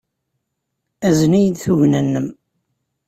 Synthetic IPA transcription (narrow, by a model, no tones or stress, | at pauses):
æzənæjəd̪θuʝnænːəm